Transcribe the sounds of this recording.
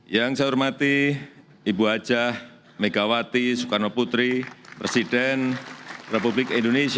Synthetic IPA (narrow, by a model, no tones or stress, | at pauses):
jaŋsaurmat̪i | ibuɦḁd͡ʒah | meɡawat̪isukarnoput̪ɾipɾesidɛnrepublɪkindonesi